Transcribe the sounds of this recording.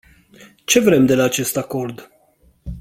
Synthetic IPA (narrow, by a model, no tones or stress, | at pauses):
t͡ʃe̞vɾe̞md̪e̞laːt͡ʃe̞st̪ako̞rd̪